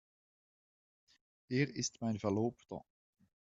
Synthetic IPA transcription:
eːrɪstmɛjnvərloːptɔ̰

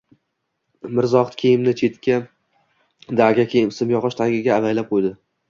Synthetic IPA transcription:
mɪɾzɒχt̪kʲʰejɪmnɪt͡ʃʰe̞t̪kʲʰa | d̪aɾɡʲakʲʰejɪmsɪmjɒʁɑʃt̪ʰaɾɡʲaɡʲaːvajlap̚qʰojd̪ɪ

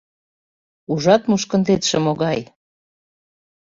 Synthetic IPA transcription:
uʒɑt̪muʃkə̆nd̪et̪ʃəmoɣɑj

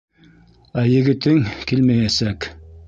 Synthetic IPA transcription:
æjɘ̆ɣɘ̆t̪ɘŋkilmæjæsæk

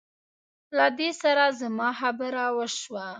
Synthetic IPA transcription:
lad̪esaɾazamɑxabəɾawəʃwa

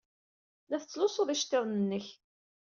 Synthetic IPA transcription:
læθət͡sːlʊsˤoðˤæʃt̪ːɪðˤnənːəç

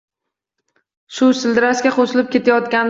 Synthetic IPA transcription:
ʃʊsɪld̪ɪɾaskʲaqʰosɪlɪp̚kʲe̞t̪ʰajɒt̪kʲan

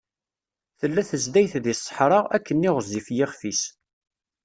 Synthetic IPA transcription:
θəlːæθəzd̪æjθðisˤːə̥ħɾˤəʁækːənːɪʁəzːifjɪχfis

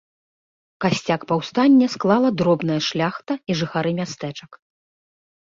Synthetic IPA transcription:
kasʲt͡sʲakpawst̪anʲːɛsklˠalˠɐd̪ɾɔbnɐjɐʂlʲaxt̪ɐiʐɨxaɾɨmʲast̪ɛt͡ʂɐk

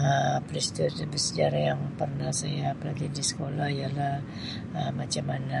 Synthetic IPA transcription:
əpɾist̪it̪bərsəd͡ʒaɾajaŋpərnahsajaplaɡadisə̥kolahijalah | əmat͡ʃamana

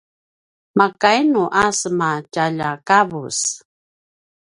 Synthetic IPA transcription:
makajnuʔasmacaʎakavṵs

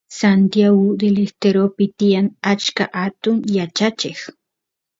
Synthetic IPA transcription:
sant̪jaɣʊd̪elest̪eɾopɪt̪ɪjaŋat͡ʃkaʔat̪ʊŋjat͡ʃat͡ʃɪx

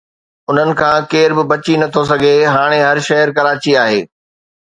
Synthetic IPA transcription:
ʊn̤ənɪ̆kʰãːkeːɾbɪbɐt͡ɕinɐt̪ʰos̬ɐɡʱeɦaːɽ̃eɦɐɾʃɐɦəɾkɐɾaːt͡ɕiaːɦeː

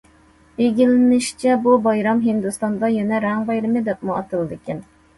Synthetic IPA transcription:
eɡʲilɪnɪʃt͡ʃʰɛbubɑjɾɑmɦɪnd̪ust̪ɑnd̪ɑjɛnɛɾɛŋbɑjɾɨmɨd̪ɛp̚muɑt̪ʰɨlˠɨd̪ɨkʲɛn

